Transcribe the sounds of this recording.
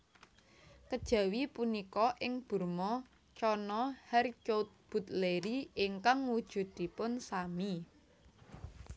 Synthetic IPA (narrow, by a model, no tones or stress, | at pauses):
kəd̥ʒ̥ä̤wipunikɔʔɪŋb̥ṳrmɔ | t͡ʃɔnɔhɛrt͡ʃot̪̚b̥ṳt̪leɾiiŋkaŋud̥ʒ̥ṳd̪̥i̤pʊnsami